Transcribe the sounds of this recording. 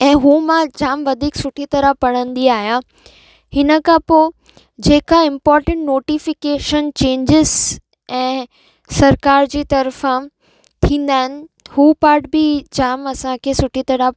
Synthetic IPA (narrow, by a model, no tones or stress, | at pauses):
ɛ̃ːɦuːmãd͡ʑaːmʋɐd̪ʱiːksʊʈʰit̪ɐɾəpɐɽ̃ə̃nd̪iaːɦja | hɪnə̆kʰãpoː | d͡ʑeːkaɪ̃mpɔːɾʈə̃ɳʈnoːʈifɪkeːʃənt͡ɕẽːɲd͡ʑɪz | ɛ̃ː | sɐɾkaːɾd͡ʑiːt̪ɐɾfã | t̪ʰĩːn̆d̪aːɦɪnɪ̆huːpaːɾʈbɪd͡ʑaːmɐsãkʰeːsʊʈʰit̪ɐɾa